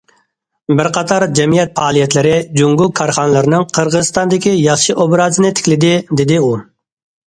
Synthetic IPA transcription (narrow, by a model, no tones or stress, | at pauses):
bɪɾqʰɑt̪ʰɑɾd͡ʒɛmijɛt̪̚fɑːlˠijɛt̪lɪɾɪd͡ʒuŋɡʊkʰːɑɾχɑnlˠɨɾɪnɪŋqʰəɾʁəzɨst̪ɑnd̪ɪkʲijɑχʃiʔobɾɑzɨnɪt̪ʰɪ̥kʲlɪd̪ɪd̪ɪd̪ɪu